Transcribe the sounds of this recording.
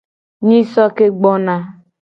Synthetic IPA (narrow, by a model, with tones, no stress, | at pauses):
ɲi˦sɔ˦ke˦ɡ͡bɔ˦na˦